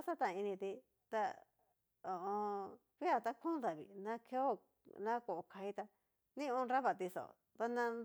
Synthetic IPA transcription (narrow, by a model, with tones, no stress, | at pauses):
a˦sa˦t̪ã˧˨˧i˧nĩ˧t̪i˧ | t̪a˧ | o˨õ˧ | βi˦a˦˧t̪a˧kũ˦d̪a˨βḭ˨nã˦kʰe˧˦o˦ | nã˦ko˨ʔo˧˨kʰa˧i˧t̪a˧ | nĩ˦˧õ˧ɾa˦βa˧˨t̪i˧so̰˨ | t̪a˧nã˧